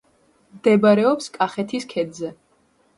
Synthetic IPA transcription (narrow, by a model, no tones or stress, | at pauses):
md̪ɛbaɾɛɔpskʼaχɛt̪ʰiskʰɛd̪zɛ